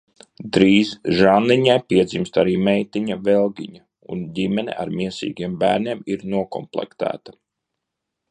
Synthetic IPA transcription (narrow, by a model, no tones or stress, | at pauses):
d̪ɾiːzʒanliɲajpiɛd̪zimst̪aɾiːmɛjt̪iɲavɛlˠɡʲiɲa | ṵndʲimɛnɛ̰ʔa̰ɾmiɛsḭːɡiɛmbæːɾniɛmiɾnuɔkɔ̰mplˠɛ̰kt̪æ̰ːt̪ḁ